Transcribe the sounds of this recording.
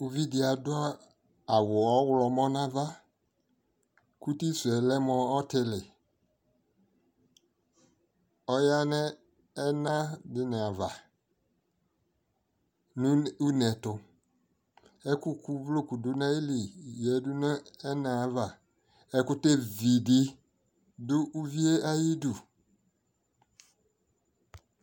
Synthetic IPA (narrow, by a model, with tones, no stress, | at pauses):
u˦vi˦dɪ˨a˨dʊ˦a˦ | a˨wʊ˨ɔ˦wʊ˦lɔ˨mɔ˦nã˦va˦ | ku˦ti˦sɛ˨lɛ˦mɔ˨ɔ˦tɪ˦lɪ˨ | ɔ˦ja˦nɛ˦ | ɛ˦nã˦dɪ˨nɪ˨a˨va˨ | nũ˦u˦nɛ˨tʊ˨ | ɛ˦kʊ˦ku˨blo˦ku˨dʊ˦nã˦i˦li˨jɛ˨˦dʊ˦nɛ˦ɛ˦na˨a˨˦va˨ | ɛ˦kʊ˦te˦vi˨dɪ˦ | dʊ˦ʔu˦vi˦e˦a˦ji˦du˨